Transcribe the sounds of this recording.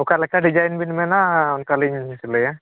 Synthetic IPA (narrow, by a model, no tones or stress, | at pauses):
ʊkalɛkːaɖid͡ʒajnbinmɛnaʊnkaliɲsiləja